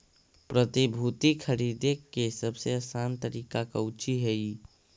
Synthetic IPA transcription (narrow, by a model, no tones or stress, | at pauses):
pɾət̪ibʱut̪ikʰəɾiːd̪ekesəbseəsaːnt̪əɾiːkakaʊt͡ʃiɦɛi